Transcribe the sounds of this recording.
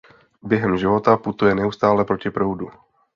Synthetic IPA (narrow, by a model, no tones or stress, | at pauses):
bjɛɦɛmʒɪvo̞t̪aput̪ujɛnɛust̪aːlɛpɾo̞cɪpɾowdu